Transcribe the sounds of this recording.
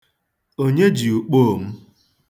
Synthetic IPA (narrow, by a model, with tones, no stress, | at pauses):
o˦ɲe˦d͡ʒi˨u˨k͡po˦˨m̩˦